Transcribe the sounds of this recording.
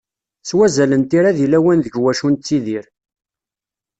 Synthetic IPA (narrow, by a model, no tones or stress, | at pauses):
t͡sːwæzælənt̪iɾaðilæwænðəʝwæʃunt͡sːiðiɾ